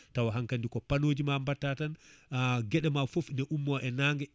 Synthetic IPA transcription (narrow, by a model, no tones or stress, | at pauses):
tawaɦaŋkandikɔpanoːd͡ʒimambatːatan | ɡɛɗɛmafofindɛʔumːɔʔɛnaːŋɡɛ